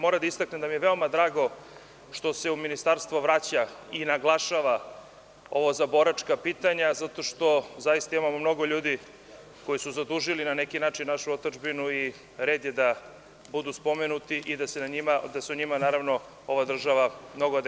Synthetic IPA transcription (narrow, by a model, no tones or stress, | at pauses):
mo̞ɾad̪aist̪akned̪amijeʋe̞o̞mad̪ɾaːɡo̞ | ʃt̪o̞se̞uminist̪aɾst̪ʋoʋɾat͡ɕainaɡlˠaʃaʋa | o̞ʋozabo̞ɾat͡ʃkapit̪aɲazat̪o̞ʃt̪o̞zajist̪aimamomno̞ɡoʎuːd̪i | ko̞jisuzad̪uʒilinanekinaːt͡ʃinnːaʃuot̪d͡ʒbinui | ɾe̞ːd̪jed̪a | bud̪uspo̞menut̪iʔid̪asenaɲimad̪aseuɲimanaːɾaʋno̞ | o̞ʋad̪r̩ʒaʋamno̞ɡoad̪